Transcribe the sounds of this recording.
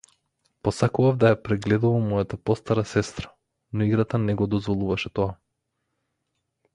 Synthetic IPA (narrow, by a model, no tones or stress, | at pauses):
pɔsakuvavd̪ajapɾɛɡlɛd̪uvamɔjat̪apɔst̪aɾasɛst̪ɾa | nɔiɡɾat̪anɛɡɔd̪ɔzvɔlˠuvaʃɛt̪ɔa